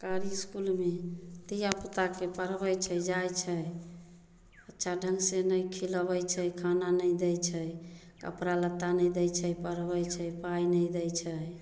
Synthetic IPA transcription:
kaɾiskulmed̪ijapət̪akepəɾbəjt͡ʃʰəjd͡ʒajt͡ʃʰəj | ətːʃʰaɖʱəŋɡsenəjkʰiləbəjt͡ʃʰəjkʰananəjd̪ɛjt͡ʃʰəjkə̰pɾalət̪ːanəjd̪ɛjt͡ʃʰəjpəɾbəjt͡ʃʰəjpajnəd̪ɛjt͡ʃʰəj

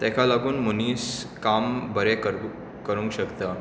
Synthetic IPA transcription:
t̪ɛ̃kʰalaɡuːnmuniːskambəɾɛkəɾ | kəɾũŋkɕəkt̪ə

